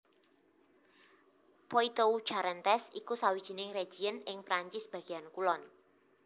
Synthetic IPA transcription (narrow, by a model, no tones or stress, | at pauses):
poit̪ou̥ʒ̥aɾɛnt̪ɛsikusawid̥ʒ̥i̤nɪŋre̥d͡ʒ̥iənɪŋpɾaɲt͡ʃɪsb̥a̤ɡ̥iankulɔn